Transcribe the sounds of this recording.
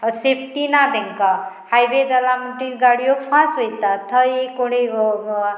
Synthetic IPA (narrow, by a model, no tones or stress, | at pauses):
sepʰʈinad̪eŋka | hajʋed̪əlamuʈiɾɡaɽijopʰãsɦojt̪at̪ʰʌekoɽe